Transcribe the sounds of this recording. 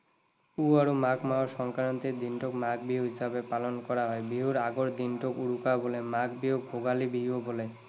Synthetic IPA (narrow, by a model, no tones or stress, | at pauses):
uaɾumakmaoɾʃɔŋkaɾɔnt̪ed̪inʈokmakbiɦuɦisabepalonkɔɾaɦɔebiɦuɾaɡoɾd̪inʈokuɽukabolemakbiɦoɡʱoɡalibiɦobole